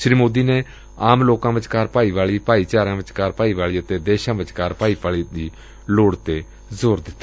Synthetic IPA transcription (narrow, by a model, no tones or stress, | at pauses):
ʃɾiːmoːd̪iːneː | aːmloːkãːʋɪt͡ʃkaːɾpaːiːʋaːɭiːpaːiːt͡ʃaːɾãːʋɪt͡ʃkaːɾpaːiːʋaːɭiːət̪eːd̪eːʃãːʋɪt͡ʃkaːɾpaːiːpaːɭiːd̪iː | loːɽt̪eː | zoːɾd̪ɪt̪ːaː